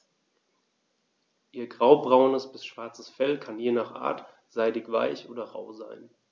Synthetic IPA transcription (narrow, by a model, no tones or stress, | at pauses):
ʔiːɐɡʁaʊbʁaʊnəsb̥ɪsʃv̥aɐt͡səsfɛlkʰanjeːnaːχʔa̰ːɐt | z̥aɪdɪkv̥a̰ɪçʔoːdɐʁa̰ʊza̰ɪn